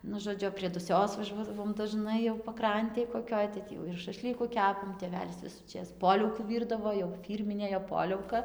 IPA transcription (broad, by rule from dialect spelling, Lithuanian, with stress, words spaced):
ˈnʊ ʒoːˈd͡ʒʲʊ pʲrʲiɛ dʊˈsʲoːs ʋɐˈʒuɔdɐʋoːm dɐˈʒnɐɪ jɛʊ pɐˈkrɐnʲtʲeːj koːˈkʲoːj tɐɪ ˈtʲiː jɛʊ ɪr ʃɐˈʃʲlʲiːkʊ ˈkʲæːpɐm tʲeːˈʋʲæːlʲɪs ʋʲɪsuːˈt͡ʃʲeːs ˈpoːlʲɛʊkuː ˈʋʲiːrdɐʋoː jɛʊ ˈfʲiːrʲmʲɪnʲeː joː ˈpoːlʲɛʊkɐ